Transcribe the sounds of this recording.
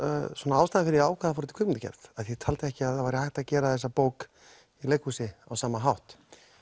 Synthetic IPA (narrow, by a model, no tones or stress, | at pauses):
sɔnaawst̪aːnafɪɾɪɾaːwkʰaðafɔɾʏt̪ɪ̥kʰʏkmɪnt̪acɛ̰ɾðaðθjɛt̪ʰalt̪ɪɛhcɪaðθavajɾɪhajht̪aðcɛːɾaθɛs̬ːapoːwk | ilejkhuːsɪa̰wsaːmaɦawht̪